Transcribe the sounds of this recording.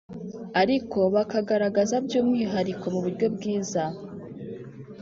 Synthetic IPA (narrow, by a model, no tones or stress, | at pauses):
aɾikʰo̞βakaɡaɾaɡazabɟoːmŋiːɦaɾikʰo̞muβuɾɟo̞b̚ɡiːza